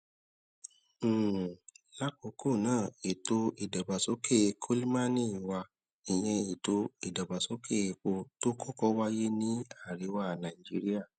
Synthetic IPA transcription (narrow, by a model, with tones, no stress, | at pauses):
la˦k͡po˨˦ko˦˨nãː˦˨e˨to˧i˨dɔ˨ba˨so˨˦kʰe˦˧kʰo˦li˦mã˦nĩ˦˨wa˧ | i˨j̃ɛ̃˧e˨to˧i˨dɔ˨ba˨so˨˦kʰe˦˨˧k͡po˧to˦kʰɔ˦kɔ˦wa˦je˦nĩ˦a˦˨ɾe˨˦wa˦˨nã˨i˨d͡ʒi˦ɾi˦a˦˨